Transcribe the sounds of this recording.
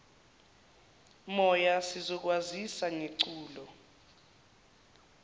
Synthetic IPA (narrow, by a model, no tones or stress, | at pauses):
mɔjasizɔk̬wazisaŋeǀuːlɔ